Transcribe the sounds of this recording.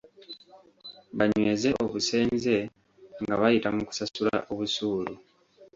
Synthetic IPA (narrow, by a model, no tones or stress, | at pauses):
βaɲwe̞ːze̞ʔoβuse̞ːnze̞ | ŋɡaβajitamuku̥sasula̰ʔo̞βusuːlu